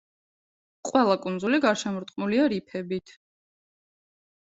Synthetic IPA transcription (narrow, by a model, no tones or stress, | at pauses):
qʼwɛlˠakʼunzuliɡaɾʃɛmɔɾt̪ʼqʼmuliaɾipʰɛbit̪ʰ